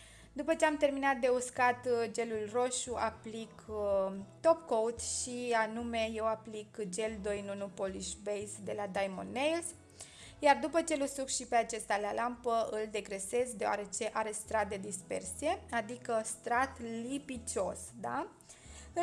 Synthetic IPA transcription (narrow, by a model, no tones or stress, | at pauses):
d̪upət͡ʃe̞amt̪e̞rminat̪̚d̪e̞uskat̪d͡ʒe̞lulro̞ʃuaplik | t̪o̞pko̞t̪ʃianume̞je̞waplikd͡ʒe̞ld̪o̞jnonopoliʃbejsd̪e̞lad̪ajmo̰nːejls | jard̪upət͡ʃe̞lusukʃipe̞at͡ʃest̪alalampəɨld̪e̞ɡɾe̞se̞zd̪e̞oa̰ɾe̞t͡ʃe̞ʔaɾe̞st̪ɾat̪̚d̪e̞d̪ispe̞̰rsije̞ad̪ikəst̪ɾat̪lipit͡ʃo̞sd̪a